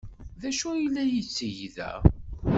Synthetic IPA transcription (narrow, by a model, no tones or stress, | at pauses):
ðæʃujilːæjət͡sːəjðæ̰